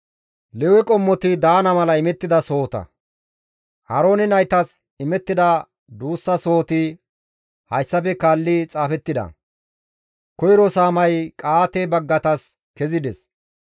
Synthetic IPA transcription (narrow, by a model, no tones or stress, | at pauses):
lɛwɛkʼɔmːɔt̪ɪd̪aːnɐmɐlɐɪmɛt̪ːɪd̪ɐso̞ːt̪ɐ̰ | hɐɾo̞ːnɪnɐjt̪ɐs | ɪmɛt̪ːɪd̪ɐ | d̪uːsːɐso̞ːt̪ɪ | hɐjsːɐpɛkaːlːɪt͡sʼaːfɛt̪ːɪd̪ɐ̰ | kɔjɾɔsaːmɐjkʼaːt̪ɛbɐɡːɐt̪ɐs | kɛzɪd̪ɛs